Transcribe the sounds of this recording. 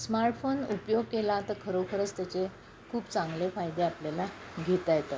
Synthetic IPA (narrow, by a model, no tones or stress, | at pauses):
smaɾʈfonupjoɡ̚kelaːt̪əɾkʰəɾowkʰəɾət͡st̪jat͡se | kʰuːpt͡sãŋɡlefajd̪eapljala | ɡʱet̪ajet̪a